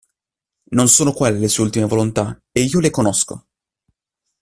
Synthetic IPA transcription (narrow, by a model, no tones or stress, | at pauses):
nonsoːnokwelːelesueult̪imevolont̪aeiːolekonosko̰